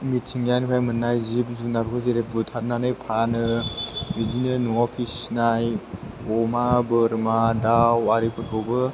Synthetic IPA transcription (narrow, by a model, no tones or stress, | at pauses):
mit̚sʰiŋanipʰajmɯnːajzip̚zunaɾukʰɯzeɾep̚bɯtʰaɾnanɯjpʰanɯmidinɯnuŋɔpʰisnaj | ɔmabɯɾmadawaɾikʰɯt̚bɔbɯ